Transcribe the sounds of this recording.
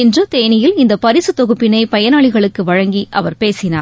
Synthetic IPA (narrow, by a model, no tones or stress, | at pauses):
ɛndrɯt̪eːnɪjɪlɪnd̪ɐpɐɾɪsɯt̪ɔɣɯpːɪnɐɪpɐjɐnaːɭɪɣɐɭɯkːɯʋɐɻɐŋɡiʔɐʋɐɾpeːsɪna̰ː